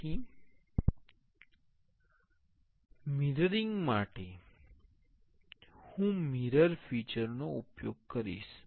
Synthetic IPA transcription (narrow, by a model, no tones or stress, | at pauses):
i | miɾəɾiŋɡmaʈe | hũmiɾəɾfit͡ʃəɾnoupjoɡ̚kəɾḭʃ